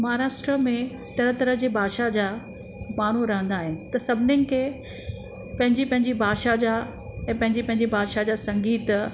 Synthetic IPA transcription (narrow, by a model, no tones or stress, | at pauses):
mɐɦaːɾaːʃʈɾəmẽ | t̪ɐɾət̪ɐɾəɦd͡ʑeːbʱaːʃad͡ʑaː | maːn̤uɾɐɦə̃nd̪aːɦɪnɪ̆t̪ɐsɐbʱɪnənɪ̆kʰeː | pɐ̃ɦɪ̃ɲd͡ʑipɐ̃ɦɪ̃ɲd͡ʑibʱaːʃad͡ʑaː | ɛ̃ːpɐ̃ɦɪ̃ɲd͡ʑipɐ̃ɦɪ̃ɲd͡ʑibʱaːʃad͡ʑaːsɐ̃ŋɡiːt̪